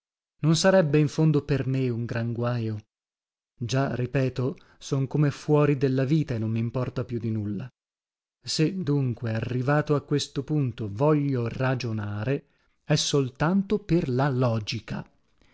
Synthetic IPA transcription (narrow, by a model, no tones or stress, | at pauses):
nonsaɾɛbːeiɱfond̪opermeuŋɡɾaŋɡwajo | d͡ʒarːipɛːt̪o | sɔŋkomefwɔːɾid̪elːaviːt̪aenːomːimpɔrt̪apjud̪ːinulːa | sed̪ːuŋkwearːivaːt̪oakːwest̪opunt̪ovɔʎːorad͡ʒonaːɾe | ɛsːolt̪ant̪operlalɔːd͡ʒika